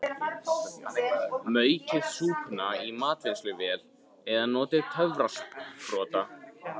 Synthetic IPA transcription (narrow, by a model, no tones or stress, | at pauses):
mœːɥcɪðsuːpnaimaːt̪venslʏvɛːl | ɛðanɔːt̪ɪðt̪ʰœvɾaspfɾɔːt̪a